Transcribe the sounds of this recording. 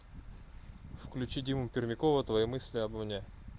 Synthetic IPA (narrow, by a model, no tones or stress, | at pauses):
fklʲʉt͡ɕidʲimʊmpʲɪrmʲɪkovət̪vɐjimɨsʲlʲɪɐbɐmnʲe